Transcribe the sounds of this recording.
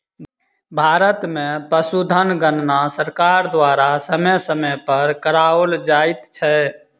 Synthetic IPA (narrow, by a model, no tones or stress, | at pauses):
bʱaɾət̪mẽpəsud̪ʱənɡənnasəɾkaɾd̪waɾasəməjsəməpəɾkəɾaold͡ʒaɪt̪t͡ʃʰɛ